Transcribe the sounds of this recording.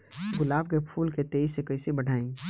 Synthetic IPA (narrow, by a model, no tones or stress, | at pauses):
ɡʊlaːb̚kepʰuːlket̪eːisekɐɪsebəɽ̤ʱaːĩ